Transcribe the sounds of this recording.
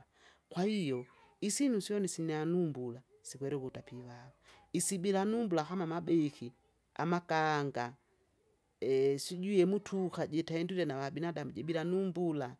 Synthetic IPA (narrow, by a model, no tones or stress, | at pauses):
kwaijɔ | isinusjɔnisinɛanumbula | sikwɛɾɛkutapiβaβaisibilanumbulakamamabɛki | a̰makaŋɡa | ɛsiɟujɛmutʰukaɟɛtaɛnduɾɛnawabinadamuɟɛbilanumbula